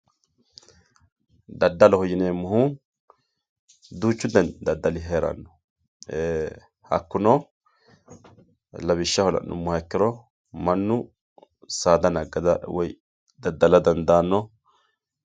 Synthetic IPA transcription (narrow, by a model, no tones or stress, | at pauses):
d̪ɐd̪ːɐlɔhɔjɪneːmːʊhu | d̪uːt͡ʃːʊd̪ɛnd̪ɐd̪ːɐlɪɦeːɾɐ̰nːɔ̥ | e | hɐ̰kːʊnɔ | lɐbɪʃːɐhɔlɐ̰nʊ̰mːʊhɐkːɪɾɔ | mɐnːʊ | saːd̪ɐnɐɡɐd̪ɐwɔj | d̪ɐd̪ːɐlɐd̪ɐnd̪aːnːɔ